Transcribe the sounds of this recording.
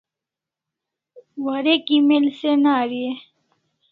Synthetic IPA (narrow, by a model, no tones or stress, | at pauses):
wɐɾekimelsenaːɾie